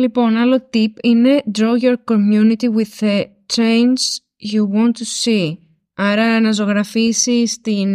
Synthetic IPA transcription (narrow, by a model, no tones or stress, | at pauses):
lipo̞nɐlo̞t̪ipine̞d̪ɾojoɾkomjunit̪iwiðe | t̪ɾejns | juwɔ̃nt̪ːusi | ɐɾɐnɐzo̞ɣɾɐfisist̪in